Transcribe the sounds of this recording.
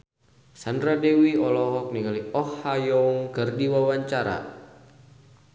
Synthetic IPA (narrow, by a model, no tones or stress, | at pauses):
sandɾadewiɔlɔɦɔk̚niŋaliɔhːajɔŋkərdiwawaɲt͡ʃaɾa̰